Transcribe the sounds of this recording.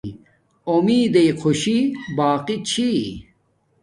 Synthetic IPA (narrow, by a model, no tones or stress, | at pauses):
omiːd̪ejqʰoɕibaːqit͡ɕʰi